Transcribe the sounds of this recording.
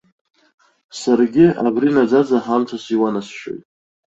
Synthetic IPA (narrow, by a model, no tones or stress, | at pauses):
sarɡʲɪa̰brinad͡zad͡zaħamt͡sʷʰasiwanasʃᶣo̰jtʼ